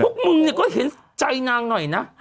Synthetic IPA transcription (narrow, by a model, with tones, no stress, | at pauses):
ʊ˦˥k͡p̚mɨ˧ŋni˨˩kɔ˨˦hi˨˦ən | t͡ɕa˧jnaː˧ŋnɔ˨˩jnaː˨˧˦